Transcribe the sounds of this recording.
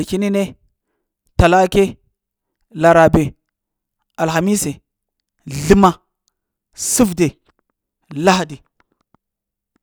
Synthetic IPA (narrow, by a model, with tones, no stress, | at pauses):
ki˦ni˦ne˦ | ta˨la˦ke˦ | la˨ɾa˨be˨ | a˨lxa˨mi˦se˨ | ɮi˦ma˦ | su˦vde˨ | la˦ɦdi˨